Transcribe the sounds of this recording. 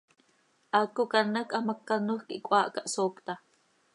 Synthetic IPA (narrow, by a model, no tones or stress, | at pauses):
ʔakːukanakʼʔamakːanuhkiʔkʷʼwaːʔkaʔsoːkt̪a